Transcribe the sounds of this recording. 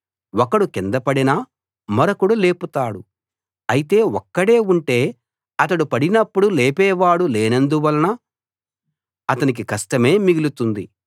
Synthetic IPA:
wɔkɐɽukɛnd̪ɐpɐɽinɐ | mɐɾɐkuɽule̞ːput̪aːɽu | ɐjit̪e̞ːwɔkːɐɽe̞ːuɳʈeː | ɐt̪̬ɐɽupɐɽinɐpːuɽuleːpɛːʋaːɽuleːnɐnd̪uʋɐlɐnɐ | ɐt̪ɐnik̬ikɐsʈɐme̞ːmiɡilut̪und̪i

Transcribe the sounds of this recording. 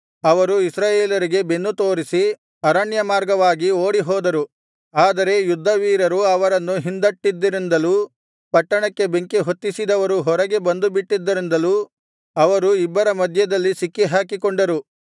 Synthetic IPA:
ɐʋɐɾuisɾaːjeːlɐɾiɡe̞be̞nːut̪o̞ːɾisi | ɐɾɐɳjɐmaːɾɡɐʋaːɡioːɽiɦɔːd̪ɐɾu | aːd̪ɐɾe̞jud̪ʱːɐʋiːɾɐɾuɐʋɐɾɐnːuɦind̪ɐʈːid̪ːɐɾind̪ɐluː | pɐʈːɐɳɐkːe̞be̞ŋkeɦot̪ːisid̪ɐʋɐɾuɦɔɾɐɡe̞bɐnd̪ubiʈːid̪ːɐɾind̪ɐluː | ɐʋɐɾuibːɐɾɐmɐd̪ʱjɐd̪ɐlːisikːiɦaːkikoɳɖɐɾu

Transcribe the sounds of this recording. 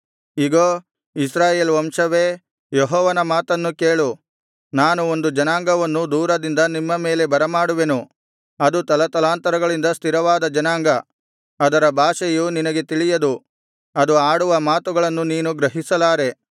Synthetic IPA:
iɡoː | isɾaːjeːlʋɐmʂɐʋe̞ː | jeɦɔːʋɐnɐmaːt̪ɐnːukeːɭu | naːnuo̞nd̪ud͡ʒɐnaːŋɡɐʋɐnːud̪uːɾɐd̪ind̪ɐnimːɐme̞ːle̞bɐɾɐmaːɽuʋe̞nu | ɐd̪ut̪ɐlɐt̪ɐlaːnt̪ɐɾɐɡɐɭind̪ɐst̪ʰiɾɐʋaːd̪ɐd͡ʒɐnaːŋɡɐː | d̪ɐɾɐbʱaːʂɐjuninɐɡe̞t̪iɭijɐd̪u | ɐd̪uaːɽuʋɐmaːt̪uɡɐɭɐnːuniːnuɡɾɐɦisɐlaːɾe̞

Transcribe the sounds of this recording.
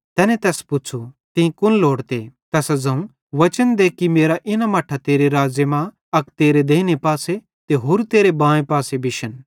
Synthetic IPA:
t̪ɛːnɛ̃t̪ɛːspʊt͡ʃʰut̪ɪ̃ĩkʊnloːɽt̪et̪ɛːsd͡zɐ̃ũ | ʋɐt͡ʃənd̪eːkːimeːɾaʔɪnamɐʈʰat̪eːɾeɾaːd͡ʒjəmã | ɐkt̪eːɾed̪eːnepaːse | t̪eɦoːɾt̪eːɾebãːẽpaːsebʱɪʃən

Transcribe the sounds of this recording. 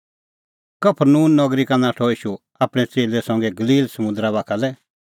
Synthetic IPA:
kɐpʰəɾnuːnːɔɡɾikanaʈʰɔiːʃu | aːpɽ̃ɛt͡seːlɛsɔ̃ŋɡɛɡɐliːlsɐmʊ̃nd̪ɾabaːkʰalɛ

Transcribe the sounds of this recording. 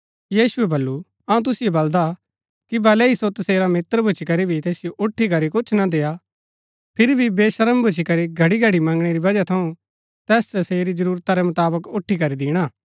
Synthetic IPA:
jiːsʊɛbɐlːu | ɐũt̪̬ʊsɪjobɐld̪a | kibɛːlɛisot̪ɐseːɾamɪt̪əɾbʱʊt͡ʃʰikɐɾibʱit̪eːsɪjoʔʊʈʰːikɐɾikʊt͡ʃʰnad̪eːja | pʰɪɾibʱibeːʃɐɾəmbʱʊt͡ʃʰikɐɾiɡʱɐɽiɡʱɐɽimɐ̃ŋɡɽ̃eɾibɐd͡ʒat̪ʰɐũ | t̪ɛːstɐseːɾid͡ʒɐɾuːɾt̪aɾɛmʊt̪aːbəkʊʈʰːikɐɾid̪ɪːɽ̃aː

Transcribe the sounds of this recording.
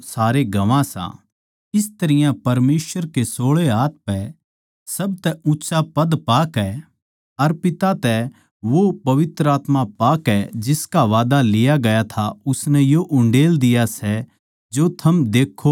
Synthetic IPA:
saːɾeɡɐʋãsã̰ː | ɪst̪ɐɾɪjãpɐɾmeːsʋəɾkesoːɭeɦaːt̪̚pɛ | sɐb̚t̪ɛʊtːsapɐd̪paːkɛ | ɐɾpɪt̪at̪ɛ | ʋopɐʋɪt̪ɾəaːt̪mapaːkɛd͡ʒɪskaʋaːd̪alɪjaɡɐjat̪ʰaʊsnɛjoʔʊ̃ɳɖeːld̪ɪjasɛ | d͡ʒot̪ʰɐmd̪eːkʰːo

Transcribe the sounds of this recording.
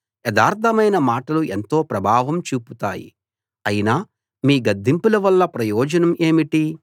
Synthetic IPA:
ɛd̪aːɾt̪ʰɐmɐjnɐmaːʈɐluʔent̪o̞ːpɾɐbʱaːʋɐmt͡ʃuːput̪a̰ːjḭ | ɐjinaː | miːɡɐd̪ːimpulɐʋɐlːɐpɾɐjɔːd͡ʒɐnɐmʔeːmiʈi

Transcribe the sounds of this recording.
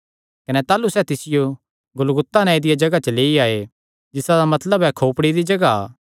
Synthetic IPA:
kɐnɛt̪aːlusɛːt̪ɪsɪjo | ɡʊlɡʊt̪ːanɛ̃ed̪ɪjad͡ʒɐɡat͡ʃəleːiaːe | d͡ʒɪsad̪amɐt̪ləbɛkʰoːpɽid̪id͡ʒɐɡa̰ː

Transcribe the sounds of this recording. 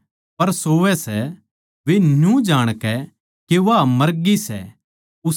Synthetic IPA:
pɐɾsoːʋɛsɛ | ʋenjũd͡ʒaːɽ̃kɛ | keʋamɐɾɡisɛ̰ | ʊ

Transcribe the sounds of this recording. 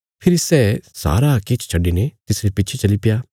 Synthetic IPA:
pʰɪɾsɛːsa̰ːɾaket͡ʃʰt͡ʃʰɐɖːinet̪ɪsɾepɪtːt͡ʃʰet͡ʃɐlipjaː

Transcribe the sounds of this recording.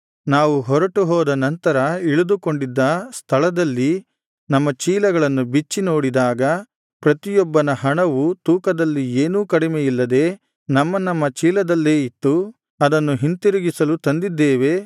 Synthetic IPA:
naːʋuɦɔɾɐʈuɦɔːd̪ɐnɐnt̪ɐɾɐiɭud̪ukoɳɖid̪ːɐst̪ʰɐɭɐd̪ɐlːi | nɐmːɐt͡ʃiːlɐɡɐɭɐnːubit͡ʃːino̞ːɽid̪aːɡɐ | pɾɐt̪ijɔbːɐnɐɦɐɳɐʋut̪uːkɐd̪ɐlːieːnuːkɐɽimejilːɐd̪e̞ː | nɐmːɐnɐmːɐt͡ʃiːlɐd̪ɐlːe̞ːit̪ːu | ɐd̪ɐnːuɦint̪iɾuɡisɐlut̪ɐnd̪id̪ːeːʋe̞

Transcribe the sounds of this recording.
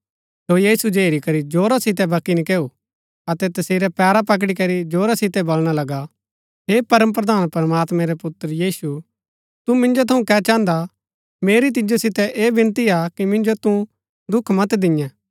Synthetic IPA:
sojiːsud͡ʒeːɾikɐɾid͡ʒoːɾasɪt̪ɛbɐkːinikeːu | ɐt̪ɛt̪ɐseːɾɛpɛːɾapɐk̬ɽikɐɾid͡ʒoːɾasɪt̪ɛbolɽ̃alɐɡa | ɦeːpɐɾəmp̬ɾɐd̪ʱaːnpɐɾɐmaːt̪mɛ̃ɾɛpʊt̪ːəɾəjiːsu | t̪umɪ̃nd͡ʒot̪ʰɐũkɛːt͡ʃãːnd̪a | meːɾit̪̬ɪd͡ʒosɪt̪ɛʔeːbɪ̃nt̪iakimɪ̃nd͡ʒot̪ũ | d̪ʊkʰmɐt̪d̪ɪ̃jɛ̃ː

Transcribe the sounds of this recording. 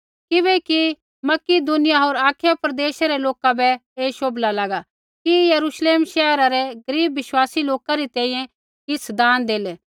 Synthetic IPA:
kɪβɛki | mɐkid̪ʊnɪjaɦoːɾaːkʰɪjapɾɐd̪eːʃaɾɛloːkabɛeːʃoːblalaɡa | kijɐɾuʃleːmʃɛːɦɾaɾɛɡɐɾiːbʋɪʃwaːsiloːkaɾit̪ɛ̃ːĩːjɛ̃ | kɪt͡sʰd̪ãːnd̪eːlɛː

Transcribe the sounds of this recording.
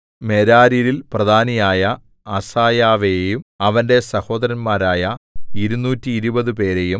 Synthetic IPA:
me̞ɾaːɾiɾilprɐd̪ʱaːnɐjaːjɐ | ɐsaːjaːʋejumɐʋɐnde̞sɐho̞ːd̪ɐɾɐnmaːɾaːjɐiɾunːuːtːiːɾubɐðɨpe̞ːɾe̞jum

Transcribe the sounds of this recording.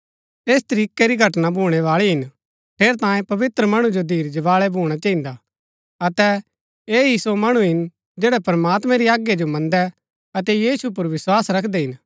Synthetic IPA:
eːst̪ɐɾiːkeɾiɡʱɐʈnabʱuːɽ̃ɛʋaːɭiɦɪn | pʰeːɾt̪ãːjẽpɐʋɪt̪ɾəmɐɽ̃ud͡ʒod̪ʱiːɾd͡ʒɐʋaːɭɛbʱuːɽ̃at͡ʃɐɦĩnd̪a | ɐt̪ɛ | eːisomɐɽ̃uɦɪn | d͡ʒeːɽɛpɾəmaːt̪mɛ̃ɾiaːɡjed͡ʒomɐ̃nd̪ɛ | ɐt̪ɛjiːsup̬ʊɾʋɪswaːsɾɐkʰd̪ɛɦɪn

